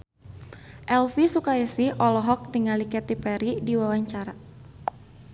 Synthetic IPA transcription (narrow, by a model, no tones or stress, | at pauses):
ʔɛlfisukaisihʔɔlɔɦɔk̚t̪iŋalikɛt̪ipɛɾidiwawaɲt͡ʃaɾa